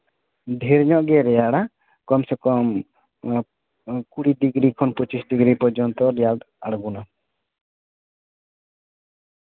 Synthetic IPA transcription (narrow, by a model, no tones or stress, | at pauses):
d̪ʱɛɾɲɔʔɡɛɾɛjaɽa | kɔmsɛkɔm | kuɽiɖiɡɾikʰɔnpɔt͡ʃisɖiɡɾipɔɾd͡ʒɔnt̪ɔɾɛjaɖ | aɽɡuna